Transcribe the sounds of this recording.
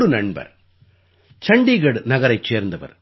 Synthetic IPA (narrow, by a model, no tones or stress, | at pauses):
ɽɯnɐɳbɐ̰ɾ | t͡ʃɐɳɖiɣɐɽnɐɣɐɾɐɪt͡ʃːeːɾnd̪ɐʋɐ̰ɾ